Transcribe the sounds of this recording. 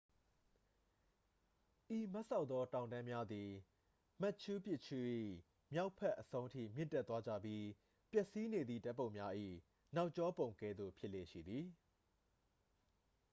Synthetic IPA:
ʔi˨ma˦ʔsa˦ʊt̪t̪ðɔ˦tã˨ʊ̃ndã˦mja˦d̪i˨ | ma˦ʔt͡ɕʰu˦pjɪ˦ʔt͡ɕʰu˦ʔḭ˦˨ | mja˦ʊpʰːɛ˦ʔːəsʰõ˦ʊ̃tʰḭ˦˨mjɪ̰̃˦˨ntɛ˦˨t̪wa˦d͡ʑä̰˦˨bji˦ | pjɛ˦ʔsi˦ne˨d̪ðḭ˦˨ta˦ʔpːõ˦˨ʊ̃mja˦ʔḭ˦˨ | na˦ʊʔt͡ɕɔ˦põ˨ʊ̃ŋkɛ̰˦˨d̪ðo̰˦˨pʰjɪ˦ʔle˦˨ʃḭ˦˨d̪ði˨

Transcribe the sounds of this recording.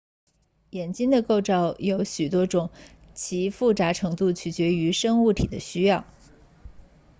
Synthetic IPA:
jɛ˨˩nt͡ɕi˥ŋd̪ə˨ko˥˧ʊʈ͡ʂɑ˥˩ʊjo˧˥ʊɕy˨˩t̪wɔ˥ʈ͡ʂʊ˨˩˦ŋ | t͡ɕʰi˧˥fu˥˩t͡sa˧˥ʈ͡ʂʰɤ˧˥ŋt̪u˥˩t͡ɕʰy˨˩t͡ɕɥɛ˧˥y˧˥ʂɤ˥ŋu˥˩t̪ʰḭ˨˩d̪ə˦ɕy˥jɑ˥˩ʊ

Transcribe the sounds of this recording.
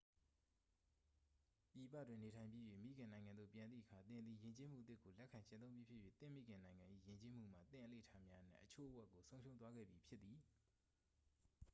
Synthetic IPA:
pji˨pä̰˦˨dwɪ̃˨ne˨tʰã˨ɪ̃mpji˦˨jwḛ˦˨mḭ˦˨ɡɪ̃˨nã˨ɪŋã˨nd̪o̰˦˨pjã˨nd̪ðḭ˦˨ʔəkʰa˨t̪ɪ̃˨nd̪ðḭ˦˨jɪ̃˨ɲt͡ɕe˦m̥ṵ˦˨t̪ɪ˦˨kːo˨lɛ˦kʰã˨ɲt͡ɕɪ̃˦õ˦ʊ̃mbji˦pʰjɪ˦˨jɥḛ˦˨t̪ɪ̰̃˦˨mḭ˦˨ɡɪ̃˨nã˨ɪ̃ŋã˨ʔḭ˦˨jɪ̃˨ɲt͡ɕe˦m̥ṵ˦˨m̥ä̰˦˨t̪ɪ̰̃˦˨ʔəlḛ˦˨ətʰa˦mja˦ʔən̥ɪ̰̃˦˨ʔət͡ɕʰo̰˦˨ʔəwɛ˦ʔkːo˨sʰõ˦ʊ̃ʃʰõ˦ʊ̃t̪̬wa˦ɡɛ̰˦˨bji˨pʰjɪ˦t̪ːi˨

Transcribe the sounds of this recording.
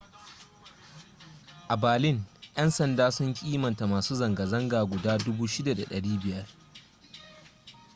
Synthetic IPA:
ʔa˨baː˨lɪ˦ŋjɐ˦nsɐ˨ndaː˦sʊ˦ŋkʲʼiː˦mɐ˨nta˨maː˨suː˦zɐ˨ŋɡɐ˨zɐ˦ŋɡaː˨ɡʷʊ˨daː˦dʊ˦buː˦ʃɪ˦da˨da˨ɗɐ˨ɽiː˦bɪ˨jɐ˦r

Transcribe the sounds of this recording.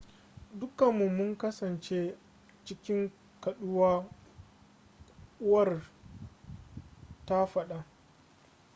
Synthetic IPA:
dʊ˦kɐ˨mːu˨mʊ˦ŋkɐ˦sɐ˨nt͡ʃeː˦ | t͡ʃɪ˦kʲɪ˦ŋ | kɐ˨ɗʊ˦waː˦ | ʊ˦wɐ˦˨r | ta˦ɸɐ˦ɗa˦

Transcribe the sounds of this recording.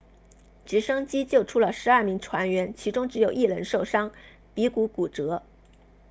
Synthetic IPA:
ʈ͡ʂɻ̩˧˥ʂɤ˥ŋt͡ɕi˥t͡ɕjo˥˩ʊʈ͡ʂʰu˥lə˨ʂɻ̩˧˥ɐ˞˥˩mi˧˥ŋʈ͡ʂʰwa˧˥nɥɛ˧˥nt͡ɕʰi˧˥ʈ͡ʂʊ˥ŋʈ͡ʂɻ̩˧˥jo˨˩ʊi˥˩lə˧˥nʂo˥˩ʊʂɑ˥ŋ | pi˧˥ku˧˥ku˨˩ʈ͡ʂɤ˧˥

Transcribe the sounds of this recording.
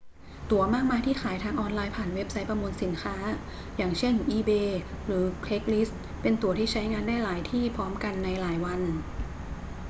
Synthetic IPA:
t̪u˨˩ɐmaː˥˩k̚maː˧jt̪ʰiː˥˩xʰaː˩˦jt̪ʰaː˧ŋʔɔː˧nlaː˧jpʰaː˨˩nwe˦˥p̚sa˦˥jpɾa˧muː˧nsi˩˦nkʰaː˦˥ | jaː˨˩ŋt͡ɕʰe˥˩nʔiː˧beː˧ | ɾɯː˩˦pʰle˦˥k̚li˦˥s | pe˧nt̪u˧˩ɐt̪ʰiː˥˩t͡ɕʰa˦˥jŋaː˧ndaː˥˩jlaː˩˦jt̪ʰiː˥˩pʰɔː˦˥mka˧nːa˧jlaː˩˦jwa˧n

